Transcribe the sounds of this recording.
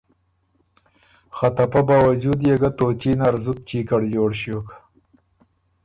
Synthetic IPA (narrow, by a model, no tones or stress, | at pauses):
xat̪ɐpabaːwad͡ʒud̪jeɡat̪oːt͡ʃinaɾzuk̚t͡ʃiːkɐɽjoːɽɕijoːkḁ